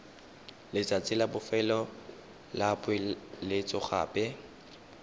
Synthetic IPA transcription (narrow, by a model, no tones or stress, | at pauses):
lɪt͡sʼat͡sʼɪlabʊfɛlɔ | labʊɪlɪt͡sʼɔχa̰ːpʼɛ